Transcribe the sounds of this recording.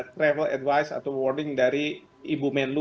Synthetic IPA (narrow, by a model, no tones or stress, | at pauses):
t̪ɾɛvɛlɛ̰dvajsa̰t̪awɔrdɪŋdaɾi | ibumɛnlu